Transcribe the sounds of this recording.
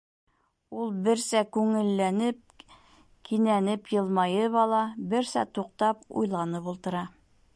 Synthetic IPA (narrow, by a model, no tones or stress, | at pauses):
ulˠbɘ̆ɾsækʉŋɘ̆lːænɘp̚ | kʰinænɘpjɤ̆lˠmɑjɤβɑlˠɑbɘ̆ɾsæ̰t̪uq̚t̪ɑpṵjlˠɑnɤpulˠt̪ɤ̆ɾɑ